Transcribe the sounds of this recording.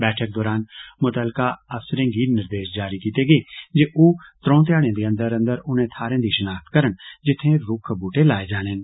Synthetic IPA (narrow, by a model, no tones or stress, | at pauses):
bɛːʈʰək̚d̪ɔːɾaːnmʊt̪əlkaɐfsɾẽːɡiːɾnɪɾd̪eːʃd͡ʒaːɾikiːt̪eɡeːd͡ʒeːʔuːt̪ɾõːt̪̬jaːɽ̃ẽːd̪eːə̃nd̪əɾə̃nd̪əɾʊnẽt̪ʰaːɾẽːd̪iʃənaːkt̪kəɾəɳd͡ʒɪt̪ʰːẽɾʊkʰbuːʈelaːed͡ʒaːɽ̃eːn